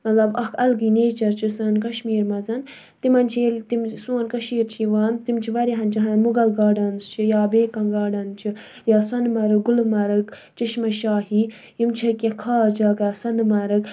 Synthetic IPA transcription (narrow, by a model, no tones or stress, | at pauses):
mɐt̪lɐbɐkʰɐlɡineːt͡ʃɐɾt͡ʃʰisɐnkɐʃmiːɾmɐzɐn | t̪imɐnt͡ʃʰilt̪imsuːnkɐʃiːɾt͡ʃʰiʋaːnt̪imt͡ʃʰiʋɐɾiɦɐnt͡ʃʰiɦɐnnmuɡɐlɡaːɖɐnzt͡ʃʰijaːbeːkɐnɡaːɖɐnt͡ʃʰi | jaːsɐnmɐɾɨɡulmɐɾɨk | t͡ʃiʃmɐʃaːɦi | jimt͡ʃʰɐkʲjɐkʰaːd͡ʒɐkaːsɐnmɐɾɨk